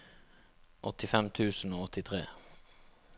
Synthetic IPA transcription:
ʔɔt̪ɪfɛmt̪ʰʉːsn̩oːɔt̪ɪt̪ʰʁeː

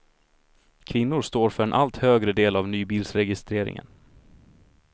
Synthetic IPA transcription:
kʰvɪnːʊɾʂt̪oːɾfœɾɛnʔalt̪høːɡɾəd̪eːlavnyːbiːlsɾɛɡɪst̪ɾeːɾɪ̰ŋə̰n

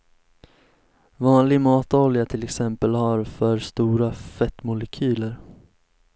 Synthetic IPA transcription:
vɑːnlɪmɑːt̪ɔljat̪ʰɪlɛksɛmpəlhaɾfœɾst̪uːɾafɛt̪ːmʊlɛkʰyːləɾ

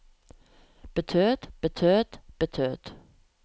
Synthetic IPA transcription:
b̥ət̪ʰøːt̪b̥ət̪ʰøːt̪b̥ət̪ʰøːt̪

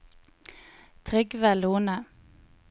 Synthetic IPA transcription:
t̪ʰʁɪɡʋɛluːnə

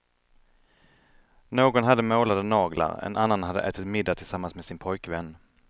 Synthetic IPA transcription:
noːɡɔnɦad̪ːəmoːlad̪ənɑːɡla̰ɾɛ̰nanːanhad̪ːə̰ʔɛːt̪ɪt̪mɪd̪ːat̪ʰɪlsamːansmesɪnpʰɔjkvɛnː

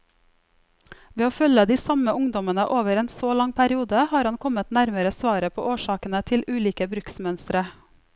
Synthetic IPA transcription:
ʋeːoːfœləd̪iːsɑməʔʊŋd̪ɔmənəʔoːʋəɾeːnsoːlɑŋpʰæɾɪuːd̪əhɑːɾhɑnkʰɔmət̪næɾməɾəsʋɑːɾəpʰo̰ːʔoːʃɑːkənət̪ʰɪlʔʉːliːkəbɾʉksmœnst̪ɾə

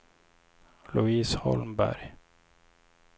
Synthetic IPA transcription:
lʊiːshɔ̰lmbæ̰ɾj

